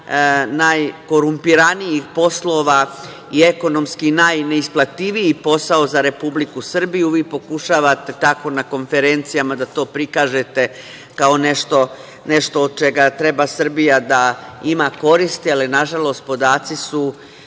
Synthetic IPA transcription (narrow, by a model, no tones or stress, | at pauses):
najko̞ɾumpiɾanijixpo̞slo̞ːʋa | ie̞ko̞no̞mskinajneisplat̪iʋiipo̞saozaɾe̞publikusr̩bijuʋiːpo̞kuʃaːʋat̪e̞t̪ako̞nako̞nfe̞ɾe̞nt̪sijamad̪at̪o̞ːpɾikaːʒe̞t̪e̞ | kao̞ne̞ʃt̪o̞ | ne̞ʃt̪o̞ːd̪̚t͡ʃe̞ɡat̪ɾe̞basr̩bijad̪aimako̞ɾist̪ialinaʒalˠo̞ːst̪̚po̞d̪aːt̪sisu